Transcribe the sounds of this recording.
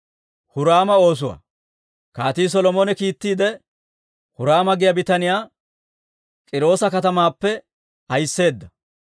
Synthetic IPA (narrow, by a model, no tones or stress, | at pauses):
hʊɾaːmɐo̞ːs̬ʊwa̰ | kaːt̪iːs̬ɔlɔmoːnɛkiːt̪ːiːd̪ɛ | hʊɾaːmɐɡɪjɐbɪt̪ɐnɪjaː | kʼɪɾo̞ːsɐkɐt̪ɐmaːpːɛ | ɐjsːe̞ːd̪ːɐ